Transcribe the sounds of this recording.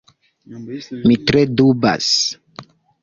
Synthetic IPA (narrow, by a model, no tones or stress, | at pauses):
mitɾeduba̰s